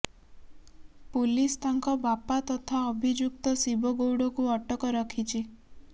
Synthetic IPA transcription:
pulist̪aŋkɔbapat̪ɔt̪ʰaɔbʱid͡ʒuk̚t̪ɔsibɔɡowɽɔkuɔʈɔkɔɾɔkʰit͡ʃʰi

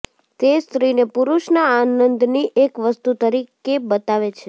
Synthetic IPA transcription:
t̪est̪ɾinepuɾuʃnaanənd̪niʔekʋəst̪ut̪əɾikebət̪aʋet͡ʃʰe

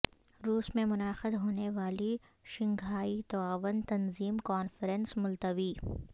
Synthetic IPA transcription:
ɾuːsmẽmʊnaːxɪd̪ɦoːneʋaːli | ʃɪ̃ŋɡʱaːit̪ɔaːʋənt̪ɐnziːmkɔːnfəɾənsmʊlt̪əʋiː

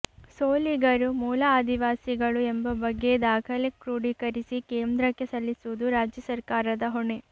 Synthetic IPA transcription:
soːliɡɐɾumuːlɐaːd̪iʋaːsiɡɐɭuembɐbɐɡːe̞d̪aːkʰɐlekɾuːɽikɐɾisikeːnd̪ɾɐkːe̞sɐlːisuʋud̪uɾaːd͡ʒjɐsɐɾkaːɾɐd̪ɐɦoɳe

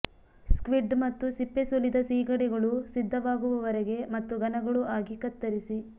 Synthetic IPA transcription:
skʋiɖmɐt̪ːusipːesulid̪ɐsiːɡɐɽɛɡɐɭusid̪ʱːɐʋaːɡuʋɐʋɐɾɛɡe̞mɐt̪ːuɡɐnɐɡɐɭuʔaːɡikɐt̪ːɐɾisi

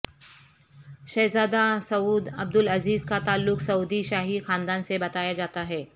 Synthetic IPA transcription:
ʃɐːzaːd̪asɐuːd̪ɐb̚d̪ʊlɐziːzkat̪aːlːʊksɐuːd̪iʃaːɦixãːnd̪aːnsebɐt̪aːjad͡ʒaːt̪aɦɛː

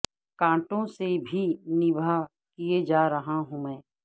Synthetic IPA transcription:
kãːʈõsebʱinɪbʱa | kied͡ʒaːɾɐɦaɦũmɛ̃ː

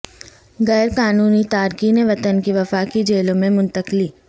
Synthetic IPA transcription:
ɣɛːɾkaːnuːnit̪aːɾkineʋɐt̪ənkiʋɐfaːkid͡ʒeːlõmẽmʊ̃nt̪əkliː

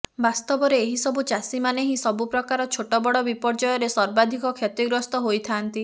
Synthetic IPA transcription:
bast̪ɔbɔɾeːɦisɔbut͡ʃasimaneɦisɔbupɾɔkaɾɔt͡ʃʰoʈɔbɔɽɔbipɔɾd͡ʒɔjɔɾesɔɾbad̪ʱikɔkʰjɔt̪iɡɾɔst̪ɔɦojt̪ʰant̪i

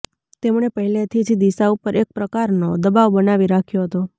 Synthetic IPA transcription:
t̪emɳ̃epəɦilet̪ʰid͡ʒd̪isaupəɾʔek̚pɾəkaɾnod̪əbaʋbənaʋiɾakʰjoɦət̪o

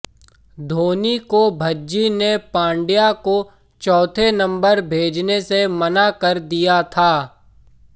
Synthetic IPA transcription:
d̪ʱoːnikobʱɐd͡ʒinepãːɳɖijako | t͡ʃɔːt̪ʰenɐ̃mbəɾbʱeːd͡ʒnesemɐnakɐɾd̪ijat̪ʰaː

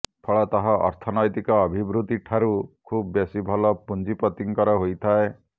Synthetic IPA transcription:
pʰɔɭɔt̪aɦɔʔɔ̰ɾt̪ʰɔnɔjt̪ikɔːbʱibɾut̪iʈʰːaɾukʰubbjesibʱɔlɔpund͡ʒipɔt̪iŋkɔɾɔɦojt̪ʰae

